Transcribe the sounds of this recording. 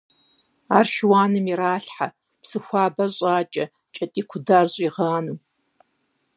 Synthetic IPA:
aːrʃwaːnɨmiɾaːɬħa | psɨxʷɑːbɐɕʷʼaːt͡ʃʼɐ | t͡ʃʼɐtʼiːkʷʰʊdaːrɕʼiʁaːnu

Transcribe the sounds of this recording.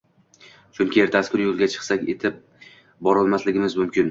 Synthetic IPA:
t͡ʃʰʊŋkʲieɾt̪ʰaskʰʲʊɾjolˠɡʲat͡ʃʰɨ̥qsakʲḛt̪ʰɪp̚ | bɒɾɒlˠmaslɪɡʲɪmɪzmʊmkʲʰɪn

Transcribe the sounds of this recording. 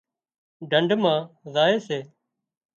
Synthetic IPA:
ɖʱəɳɖʱmãːzaːeːseː

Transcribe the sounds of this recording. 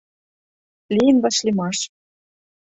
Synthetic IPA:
lijɘnβɑʃlʲimɑʃ

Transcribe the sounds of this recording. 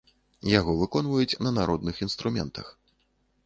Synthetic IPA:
jaɣɔvɨkɔnvɐjut͡sʲnɐnaɾɔd̪nɨxinst̪ɾumʲɛ̰nt̪ɐ̰x

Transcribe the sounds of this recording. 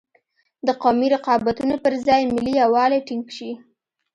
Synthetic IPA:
d̪əqɑmiɾɪqɑbat̪unopəɾzɑjmɪliawɑleʈiŋɡʃi

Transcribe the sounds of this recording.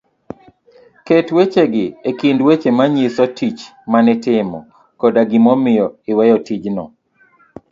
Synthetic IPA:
ketwet͡ʃeɡɪekindwet͡ʃemaɲisɔtit͡ʃmanɪtɪmɔ̰ | kɔdaɡɪmɔmɪjɔɪwɛjɔtid͡ʒnɔ

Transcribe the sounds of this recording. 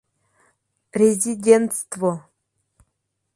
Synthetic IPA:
rʲezʲidʲent̪st̪vo

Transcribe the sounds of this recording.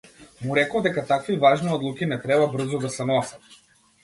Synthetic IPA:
muɾɛkowd̪ɛkat̪akvivaʒniɔd̪lˠukʲinɛt̪ɾɛbabr̩zod̪asɛnɔsɛt̪

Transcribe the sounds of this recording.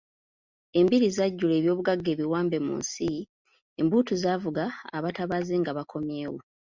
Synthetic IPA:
e̞mbiɾizaɟːule̞ːβjo̞ːβuɡaɡːe̞ːβiwaːmbe̞mṵnsi | embuːtuzaːvuɡaːβataβazeŋɡaβakʰo̞mje̞ːwo̰

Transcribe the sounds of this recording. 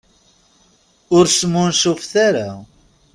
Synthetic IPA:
ʊɾsmːʊnsʊfθaɾa

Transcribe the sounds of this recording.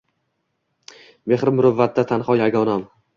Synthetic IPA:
me̞χɾɪmʊɾʊvːat̪̚d̪at̪ʰanχɒjaɡɒnam

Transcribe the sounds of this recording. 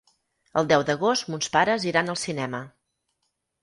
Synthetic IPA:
əlˠd̪ɛwd̪əɣost̪munspaɾəziɾanəlˠsinɛmə

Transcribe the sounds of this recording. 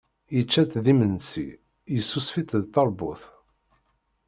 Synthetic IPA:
jət͡ʃːæθðimənsḭ | jəsːusfit̪ðt̪ːɑɾˤbʊθ

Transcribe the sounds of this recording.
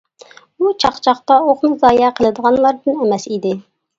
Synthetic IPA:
ut͡ʃʰɑχt͡ʃʰɑχt̪ɑoχnɨzɑːjɛqʰəlˠɨd̪əʁɑnlˠɑɾd̪ɨnemɛsid̪ɪ

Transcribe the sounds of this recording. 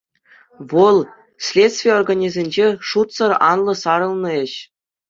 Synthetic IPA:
ʋɤ̆lˠ | sʲlʲet̪sʲt̪ʲvʲijeorɡanʲizʲenʲd͡ʑeʂut̪sɤ̆rɑ̰nlˠɤ̆sɑɾɤ̆lˠnɤ̆ĕɕ

